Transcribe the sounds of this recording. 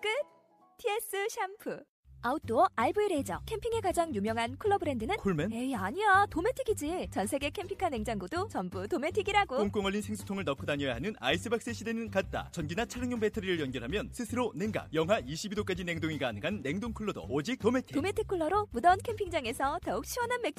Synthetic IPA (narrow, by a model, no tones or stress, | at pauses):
k͈ɯ | tʰies͈ɯɕʰampʰɯ | aut͈oʌaɭbuiɾe̞d͡ʑʌkʰe̞mpʰiŋe̞kad͡ʑaŋjumjʌŋɦankʰuɭːʌbɯɾe̞ndɯnɯnkʰuɭmeneaɲiatome̞tʰiɡid͡ʑit͡ɕʌnsʰe̞ɡe̞kʰe̞mpʰi̥kʰane̞ŋd͡ʑaŋɡudot͡ɕʌnbutome̞tʰiɡiɾaɡooŋk͈oŋʌɭːʎːinsʰeŋsʰu̥tʰoŋɯɭnʌkʰɯdaɲʌjaɦanɯna̰is͈ʰɯbak̚s͈eɕʰidenɯnkat̚t͈a̰t͡ɕʌnɡinat͡ɕʰaɾɯŋɲʌŋbe̞tʰʌɾiɾɯɭjʌnɡjʌɾɦamjʌnsʰɯsʰɯɾoneŋɡa̰k̚jʌŋɦwaiɕʰibidok͈ad͡ʑine̞ŋdoŋiɡaːnɯŋɦanːe̞ŋdoŋkʰuɭːʌdo̰od͡ʑik̚t͈ome̞tʰi̥tome̞tʰikʰuɭːʌɾomudʌnkʰe̞mpʰiŋd͡ʑaŋe̞sʰʌtʌuk̚ɕʰiwʌnɦanme̞k̚t͡ɕ